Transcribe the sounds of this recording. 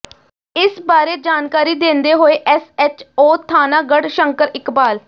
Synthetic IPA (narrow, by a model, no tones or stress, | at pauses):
ɪsbaːɾeːd͡ʒaːnkaːɾiːd̪ẽːnd̪eːɦoːeːʔɛsɛt͡ʃoːt̪ʰaːnaːɡəɽʃəŋkəɾɪkbaːl